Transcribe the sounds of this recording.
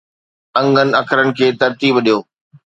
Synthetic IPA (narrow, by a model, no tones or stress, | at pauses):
ɐ̃ŋɡənɪ̆ɐkʰɾənɪ̆kʰeːt̪ɐɾt̪iːbɗijoː